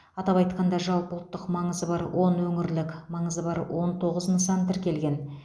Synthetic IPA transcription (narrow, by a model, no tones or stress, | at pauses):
ɑt̪ɑpɑjt̪qɑnd̪ɑʒɑlˠpəʊlˠt̪ːəqmɑɴəzəbɑɾwʔo̞nwɵŋɪɾlɪkʲmɑɴəzəbɑɾwo̞nt̪ʰo̞ʁəznsɑnt̪ɪɾkʲʰe̞lɡʲe̞n